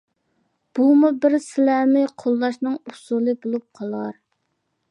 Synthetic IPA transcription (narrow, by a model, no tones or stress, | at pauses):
b̥umubɪɾsɪlæmɪqʰolˠːɑʃnɨŋusulˠɨbolˠup̚qʰɑlˠɑɾ